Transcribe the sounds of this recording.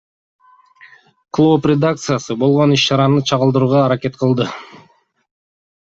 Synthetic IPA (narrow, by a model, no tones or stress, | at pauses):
klˠooprʲed̪ak̚t̪sɨjasɯbo̞lˠʁo̞niʃt͡ʃɑɾɑnɯt͡ʃʰɑʁɯlˠd̪ɯɾuːʁɑːɾake̞t̪qʰɯlˠd̪ɯ